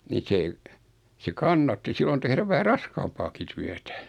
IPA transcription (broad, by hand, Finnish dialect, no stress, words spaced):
ni se se kɑnːɑtːi silːon tehræʋ ʋæhæ rɑskɑːmpɑːki tyætæ